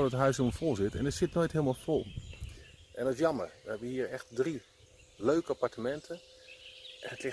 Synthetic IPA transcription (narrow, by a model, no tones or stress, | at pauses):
dɔətɦœɥsoməfolˠsɪtɛ̰ndətsɪtnoːjtɦɪːlˠmalˠfolˠ | ʔɛndɔtɪs̬jɑməɹʋəɛbʋəhiːɹɛxt̚dri | løɥkəapaɹtəmɛntʰə | ʔɛnətlɪx